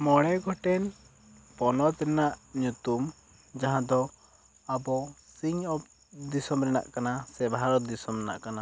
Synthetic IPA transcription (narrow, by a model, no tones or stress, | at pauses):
mɔɽɛɡʱɔʈɛn | pɔnɔt̪ɾɛnaʔɲut̪um | d͡ʒaɦãd̪ɔ | abɔsiŋɔp̚ | d̪isɔmɾɛna̰ʔkanasɛbʱaɾɔd̪isɔmɛna̰ʔkana